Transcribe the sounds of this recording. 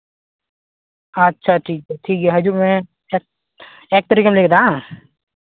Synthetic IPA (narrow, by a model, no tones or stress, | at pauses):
ɐtːʃʰaʈʰiːkɦɛʈʰiːkɦɛɦɐd͡ʒuːɾmẽ | ek̚ | eːk̚t̪əɾiːkameleːk̚d̪ãː